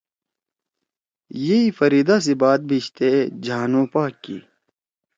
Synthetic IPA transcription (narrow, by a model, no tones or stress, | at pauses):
jeifɐɾiːd̪as̬ibaːt̪̚bʱiɕt̪ed͡ʑaːnõːpaːkːḭ